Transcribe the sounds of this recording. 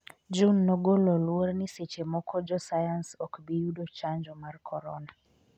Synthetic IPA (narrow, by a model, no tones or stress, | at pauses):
d͡ʒunːɔɡolɔlworniset͡ʃemɔkɔd͡ʒɔsajansɔkbijudot͡ʃaɲd͡ʒɔmarkʰɔɾɔna